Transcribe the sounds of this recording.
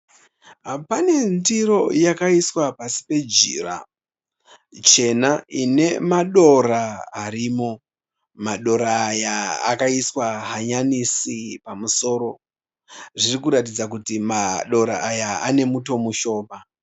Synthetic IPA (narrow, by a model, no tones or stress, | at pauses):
pane̞ndiɾo̞jakaiswapasi̥pe̞d͡ʒḭːra̰ | t͡ʃe̞naine̞maɗo̞raːɾiːmo̞ | maɗo̞ɾaːja̰ːkaiswaɦaɲanisipamuso̞ːɾo̞ | ʐirikuɾatid͡zakutimaɗo̞ɾaːjaane̞muto̞muʃo̞ːma